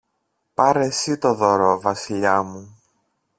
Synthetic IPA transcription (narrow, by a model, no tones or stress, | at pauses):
pɐɾesit̪o̞ðoɾovɐsiʎɐmu